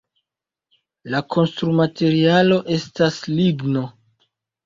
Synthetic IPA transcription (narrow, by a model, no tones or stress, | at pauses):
lakʰo̞nstɾumate̞ɾialo̞ʔe̞stasliɡno̞